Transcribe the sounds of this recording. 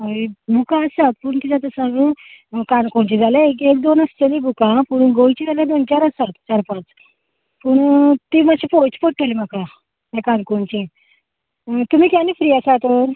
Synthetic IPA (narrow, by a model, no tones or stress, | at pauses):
ibʱukãːsat̪̚puɳt̪id͡zat̪asãɡũkankoɳt͡ɕid͡zalaekek̚d̪onast͡ɕelibʱukãpuɳɡoit͡ɕid͡zaljãd̪ont͡ɕaɾəsat̪t͡ɕaɾpãt͡s | puɳt̪imaɕʰipot͡ɕpəʈʰːolimaka | ɦakankoɳt͡ɕĩ | t̪um̤ikjanifɾijasat̪oɾ